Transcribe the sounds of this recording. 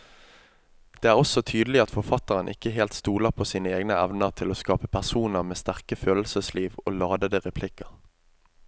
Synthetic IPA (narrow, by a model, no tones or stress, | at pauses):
d̪̥eːæːʁɔsɔt̪ʰyːd̪lɪɑt̪fɔʁfɑt̪əʁənʔɪ̰kːəɦeːlt̪st̪uːləʁpʰoːsiːnəeːɡnəæʋnəʁt̪ʰɪloːskɑːpəpʰæʁsuːnəʁmeːst̪æʁkəføːll̩səsliːʋo̰ːlɑːd̪əd̪əʁɛpʰlɪkəʁ